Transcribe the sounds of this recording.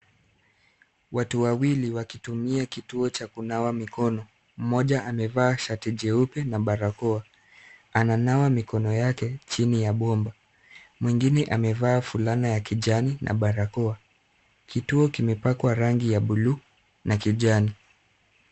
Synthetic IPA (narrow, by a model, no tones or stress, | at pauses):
watuwawiliwakitumiakituɔt͡ʃakunawamikɔnɔ | m̩mɔʄaʔamɛvaːʃatiʄɛupɛnaɓaɾakɔa | ananawamikɔnɔjakɛt͡ʃinijaɓɔmba | mwiŋɡinɛʔamɛvaːfulanajakiʄaninʔa̰ɓaɾakɔa | kituɔkimɛpakwaɾaŋɡijaɓulu | nakiʄani